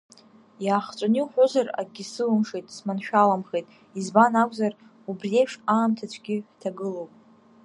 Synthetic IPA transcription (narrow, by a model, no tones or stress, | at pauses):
jaːχt͡ʃʷʼʊniħʷʊzara̰ɡʲisɨlɨmʂejtʼsmanʃᶣalamχejtʼ | izbanakʷʰʼzar | ubrie̞jpʰʂaːmtʰat͡ɕʷʰɡʲɪħtʰaɡɨlowpʼ